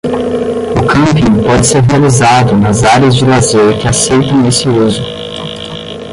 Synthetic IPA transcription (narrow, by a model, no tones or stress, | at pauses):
ʊkɐ̃mpĩpɔd͡ʒɪseɾɦealizad̪ʊnɐzaɾɐzd͡ʒɪlazeɾkɪasejt̪ɐ̃w̃esɪozʊ